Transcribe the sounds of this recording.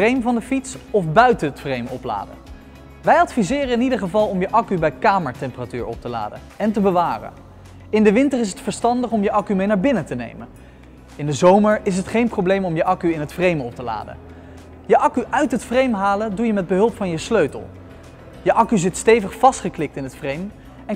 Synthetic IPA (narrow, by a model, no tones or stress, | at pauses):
rejmvɑndəfitsɔfbœɥtənətfrejmɔ̰pla̰ːdə̰ | ʋɛjɑtfizɪːrəɪnidəɹχəvɑlˠɔmjəʔɑkybɛjkaːməɹtɛmpəratyːɹɔ̰p̚təla̰ːdə̰ | ɛntəbəʋaːrə̰n | ɪndəʋɪntərɪs̬ətfəɹstɑndəχɔmjəʔɑkymejnaːɹbɪnətənḛjmən | ɪndəzowməɹɪs̬ɦətχejnprowblejmɔmjəʔɑkyɪnɦətfrejməɔp̚təla̰ːdə̰ | jəʔɑkyʔœɥtɦətfrejmɦaːləndujəmɛd̚bəɦɵlˠpfɑnjəsløɥtə̰lˠ | jəʔɑkyzɪtstejvəχfɑstχəklɪk̚tɪnɦətfrejm | ɛn